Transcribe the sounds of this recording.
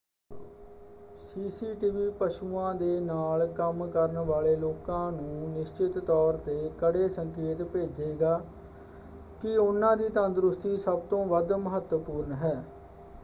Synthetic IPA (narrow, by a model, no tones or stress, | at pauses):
siːsiːʈiːʋiːpəʃuːãːd̪eːnaːlkəmkəɾənʋaːleːloːkãːnũːnɪʃt͡ʃɪt̪ːɔːɾt̪eːkəɽeːsəŋkeːt̪peːd͡ʒeːɡaː | kɪʊnːãːd̪iːt̪ənd̪ɾʊst̪iːsəbt̪õːʋəd̪məɦət̪wəpuːɾənɦɛː